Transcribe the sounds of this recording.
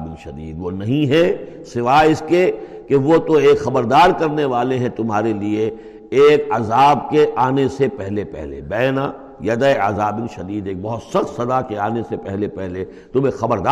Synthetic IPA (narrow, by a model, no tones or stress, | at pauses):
bɪnʃɐd̪iːd̪ʋonɐɦĩɦɛ | sɪʋaːɪske | keʋot̪oeːkxɐbəɾd̪aːɾkɐɾneʋaːleɦɛ̃t̪ʊmɦaːɾelie | eːkɐzaːbkeʔaːnesepɛɦlepɛ̰ɦlḛbɛːna | jɐd̪əeɐzaːbɪnʃɐd̪iːd̪eːk̚bɐɦʊt̪sɐxt̪sɐd̪akeaːnesepɛɦlepɛɦle | t̪ʊmekxɐbəɾd̪aː